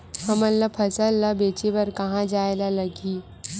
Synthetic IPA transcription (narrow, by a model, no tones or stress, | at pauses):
həməlːapʰəsəlːabet͡ɕeʋəɾkəɦãd͡ʒajlaləɡiː